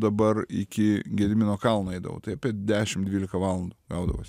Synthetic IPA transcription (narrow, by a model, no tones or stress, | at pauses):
d̪ɐbɐrɪkʲɪɡʲɛd̪ʲmʲɪnoːkɐlˠnoɐɪd̪ɐ̰ʋo̰ːt̪ɐɪɐpʲiɛd̪ʲæːʃʲɪmd̪ʲʋʲiːlʲɪkɐʋɑːlˠɐnd̪ʊɡɐʊd̪ɐʋo̰sʲ